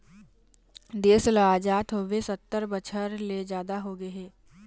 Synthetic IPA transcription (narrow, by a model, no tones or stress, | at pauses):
d̪eːslaaːd͡ʒaːt̪ɦoːʋesət̪ːəɾbət͡ʃʰəɾled͡ʒjaːd̪aɦoɡəeɦeː